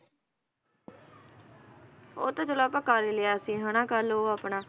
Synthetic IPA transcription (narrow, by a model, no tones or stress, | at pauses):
o̰ːt̪ãːt͡ʃʊlaːpəkːaːɾeːleaːəsĩːɦənãːkəloːaːpɳaː